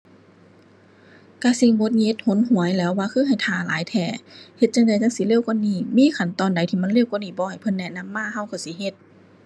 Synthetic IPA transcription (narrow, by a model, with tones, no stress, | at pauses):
kaː˧˩si˧˦ŋbo˧˦˥t̪̚ŋe˧˦t̪̚ho˨˦nɦu˨˦əjlɛː˨˦˥wːaː˧˥kʰɯː˧˥˨ɦa˧˨˩jt̪ʰaː˧˩la̰ː˨˦jt̪ʰɛː˧˩he˧t̪̚t͡ɕa˧ŋda˧˩jt͡ɕa˧˥˨ŋsi˧˦le˧˥˨wkɔː˧˥˨niː˧˩miː˧˥˨kʰa˨˦nt̪ɔː˧˩nda˨˦jt̪ʰiː˧˩ma˧˥˨nli˧˥˨wkɔː˧˦niː˧˩bɔː˧ha˨˩jpʰɤ˧˨nːɛ˧˩na˧˥˨mːaː˧˨ha˧˨wka˧˩si˧˦he˧˦t̪̚